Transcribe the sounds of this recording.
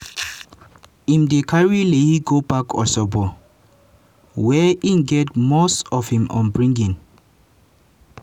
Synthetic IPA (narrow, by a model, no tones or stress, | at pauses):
ĩmdekʰaɹilehiɡobakʰɔ̰sɔbɔ | wɛʔĩnɡɛtmostɔfhĩmɔ̰̃nbɹĩŋɡĩn